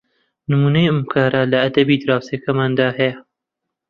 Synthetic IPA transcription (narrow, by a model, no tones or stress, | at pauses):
nɨmuːnɐjɨmkʰɑːɾalɐɐd̪ɐbiːd̪ɾɑːwsekɐmaːnd̪ɑːɦe